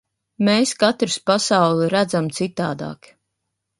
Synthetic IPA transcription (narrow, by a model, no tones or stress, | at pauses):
meːskat̪ɾɨspasawlˠɛɾæd̪zamt̪sit̪aːd̪a̰ːk